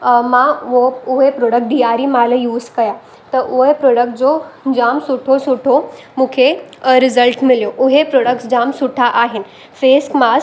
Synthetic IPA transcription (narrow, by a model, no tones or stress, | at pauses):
mãoʊɦepɾoːɽək̚ʈ̚ɖijaɾimaləjuːzkɐja | t̪ɐʔuɦepɾoːɽək̚ʈ̚d͡ʑod͡ʑaːmsuʈʰosuʈʰo | mũːkʰeɾɪzəlʈmɪljoʔʊɦepɾoːɽək̚ʈsd͡ʑaːmsuʈʰaʔaːɦɪnɪ̆ | feːskmas